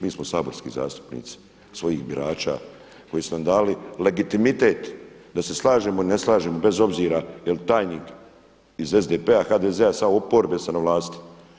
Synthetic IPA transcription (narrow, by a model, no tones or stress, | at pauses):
miːsmo̞saːbo̞ɾskḭːza̰ːst̪u̥pnḭːt̪si̥ | sʋo̞jiːxbiɾʔaːt͡ʃa̰ | ko̞jesunamd̪aːlile̞ɡit̪imit̪e̞ːt̪d̪ase̞slˠaːʒeːmoine̞slˠaːʒeːmo̞be̞zo̞bziːɾajelt̪aːjniːk | ize̞zd̪eːpeaxaːd̪ezeasamoopoɾbe̞senaʋlˠaːst̪i̥